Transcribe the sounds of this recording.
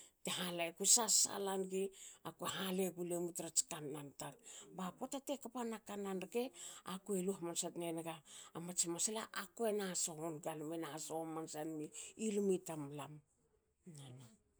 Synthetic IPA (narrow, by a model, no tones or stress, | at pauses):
teɦalaekusasa̰lanɡiakueɦale̞ɡulemutɾat͡ʃkanːantaɾbakotatekapanakanankeakueluhmansatnenɡaːmat͡ʃimasela̰ʔakoenasohonɡalmenasomansanmiilumitamlam | nana